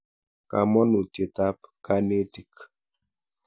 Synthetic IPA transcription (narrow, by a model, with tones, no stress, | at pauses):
ka˨mɔ˦no˨te˨ta˦p̚ka˦ne˦ti˨k